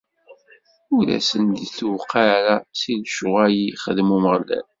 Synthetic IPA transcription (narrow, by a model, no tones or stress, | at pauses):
ulæ̰sənd̪θuwqːaɾat͡sinʃʊʁæjiχəðmuməʁlæ̰n